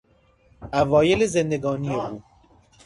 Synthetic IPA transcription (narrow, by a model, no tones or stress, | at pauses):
ʔævɒːjelezend̪eɡɒːnijeuː